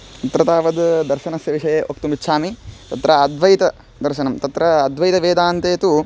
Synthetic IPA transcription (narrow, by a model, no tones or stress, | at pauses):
t̪ɐt̪ɾɐt̪aːʋɐd̪d̪ɐɾʃɐnɐsjɐʋiʂɐjeʔok̚t̪umitːʃʰaːmit̪ɐt̪ɾɐːd̪ʋɐjit̪ɐ | d̪ɐɾʃɐnɐmt̪ɐt̪ɾɐːd̪ʋɐjit̪ɐʋeːd̪aːnt̪eːt̪u